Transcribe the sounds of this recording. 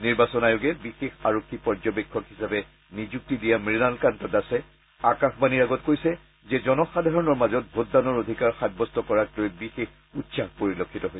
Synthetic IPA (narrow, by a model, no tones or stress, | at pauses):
niɹbasɔnajʊɡɛbixexaɹokʰːipɔɹd͡ʒɔbekʰːɔkɦisapɛ | nizuk̚tidijamɹinalkantɔtasɛ | akaxbaniɹaɡɔtkojsɛ | zɛzɔnɔxadʱaɹɔnɔɹmazɔt̚bʱotdanɔɹodʱikaɹxajbɔstɔkɔɹaklojbixex | utsaxpoɹilokʰːitɔɦoj